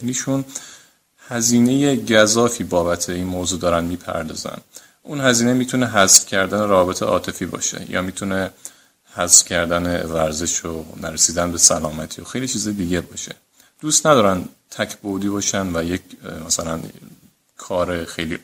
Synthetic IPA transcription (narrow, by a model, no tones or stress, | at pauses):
niːʃun | hæziːne̞jeɟæzɒːfiːbɒːbæt̪ʰeinmoːzud̪ɒːɾænmiːpʰæ̰ɾd̪ɒ̰ːzæ̰n | ʔunhæziːnemiːt̪ʰune̞ɦæzfcʲʰæɾd̪æneɾæɒːbet̪ʰḛʔɒ̰ːt̪ʰe̞fiːbɒ̰ːʃḛjɒ̰ːmiːt̪ʰune | hæzfcʲʰæɾd̪ænevæɾze̞ʃonæɾesiːd̪ænbe̞sælɒːmæt̪ʰioxejlit͡ʃʰiːzɒjd̪iːɟebɒːʃe̥ | d̪̥uːst̪næd̪ɒːɾænt̪ʰæcʰbod̪iːbɒːʃænvæjecmæsælæn | kʰɒːɾexe̞jliː